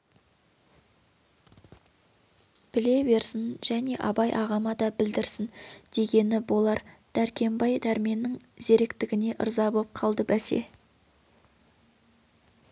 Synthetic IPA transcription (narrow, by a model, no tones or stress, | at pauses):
pʰɪle̞be̞ɾsɪnʒ̥æne̞ʔɑbɑjʔɑʁɑmɑd̪ɑbɪld̪ɪɾsɪnd̪̥e̞ɡʲe̞nɪbo̞lˠɑɾd̪̥æɾkʲʰe̞mbɑjd̪æɾme̞nːɪŋz̥e̞ɾekt̪ɪɡʲɪne̞ʔə̰ɾzɑbop̚qʰɑlˠd̪əbæse̞̰